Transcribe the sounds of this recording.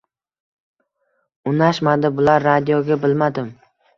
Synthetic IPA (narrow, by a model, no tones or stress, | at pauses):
ʊnaʃmad̪ɪbʊlaɾːad̪ijoɡʲabɪlmad̪ɪm